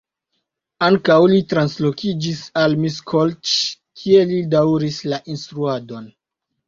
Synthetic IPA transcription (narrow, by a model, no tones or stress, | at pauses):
aŋkawlitɾanslo̞kid͡ʒisalmiskʰolt͡ʃkʰie̞lidawɾislaʔinstɾuado̞n